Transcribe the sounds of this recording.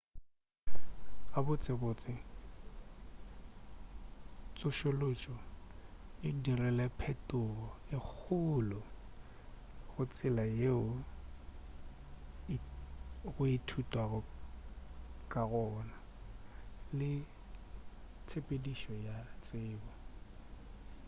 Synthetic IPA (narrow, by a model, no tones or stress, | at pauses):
ɣabʊt͡sʼɪbot͡sʼɪ | t͡sʼʊʃolot͡ʃʼɔ | ɪdirɛlɛpʰɛtʼʊɣɔɪk͡xʰʊlʊ | ɣʊt͡sʰʼɪlajeʊ | ɣʊɪtʰutʼwaɣʊ | kʼaɣɔːna | lɪ | t͡sʰepʼediʃɔjat͡sʼɪːbɔ